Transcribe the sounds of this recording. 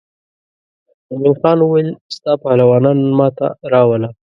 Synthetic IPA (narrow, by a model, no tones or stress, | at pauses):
aminxɑnwuwajlst̪ɑpɑlawɑnɑnmɑt̪a̰ɾɑwala